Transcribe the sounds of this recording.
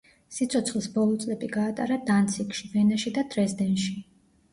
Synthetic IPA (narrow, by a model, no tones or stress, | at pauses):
sit̪sʰɔt̪sʰχlˠisbɔlˠɔt̪sʼlɛbiɡaːt̪ʼa̰ɾad̪ant̪sʰikʼʃivɛnaʃid̪ad̪ɾɛzd̪ɛnʃi